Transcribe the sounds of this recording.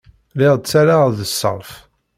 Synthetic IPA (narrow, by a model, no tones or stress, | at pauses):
lɪʁˤt͡sːaɾaðəsːə̰ɾˤf